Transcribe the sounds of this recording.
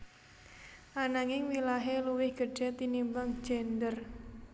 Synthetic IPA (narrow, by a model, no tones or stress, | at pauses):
ʔanaŋɪŋwilaɦeluwɪhɡ̥ə̥d̥ɛ̤t̪inimbaŋ̥d͡ʒɛnd̪ər